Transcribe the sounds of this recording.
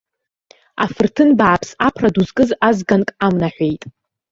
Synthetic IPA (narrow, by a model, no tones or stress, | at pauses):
a̰fɨrtʰɨnbaʕapʰsapʰraduzkʼɨzazɡankʼamnaħʷe̞jtʼ